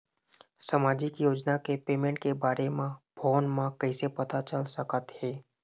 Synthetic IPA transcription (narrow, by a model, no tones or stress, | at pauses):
səmaːd͡ʒɪkjoːd͡ʒnakepeːmẽɳʈkebaːɾemãbʱɔːnmãkəɪsepɐt̪at͡ʃəlsəkət̪hɛː